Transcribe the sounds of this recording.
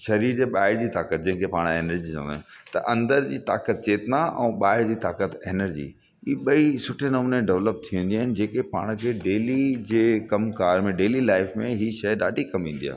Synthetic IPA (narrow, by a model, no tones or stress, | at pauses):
ʃɐɾiːɾd͡ʑeɓaːɪɾd͡ʑiːt̪aːkət̪̚d͡ʑɐ̃ɦɪ̃kʰepaːɽ̃eːnəɾd͡ʑit͡ɕɐ̰̃nd̪aːnt̪ɐʔɐ̃nd̪əɾd͡ʑiːt̪a̰ːkət̪̚t͡ɕeːt̪naʔɛ̰̃ːɓaːɦɪɾd͡ʑiːt̪aːkət̪eːnəɾd͡ʑḭː | iːɓɐisʊʈʰenɐmuːneɖɛʋləp̚t̪ʰiũːnd̪iaːɦɪnɪd͡ʑeːkepa̰ːɽ̃kʰeːɖeːlid͡ʑeːkɐmkaːɾmẽɖeːlilaːɪfmẽɦiːʃɐɗaːɖʱikɐmʋĩːn̆d̪ija̰ː